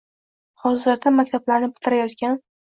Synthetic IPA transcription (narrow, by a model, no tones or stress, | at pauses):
hɒzɪɾd̪amakʲt̪ʰablaɾnɪbɪt̪ʰɪɾajɒt̪kʲan